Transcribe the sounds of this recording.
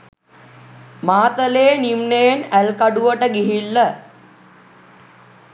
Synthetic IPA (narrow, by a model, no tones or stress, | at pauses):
maːt̪əleːnimnejnælkaɖuʋəʈəɡiɦilːə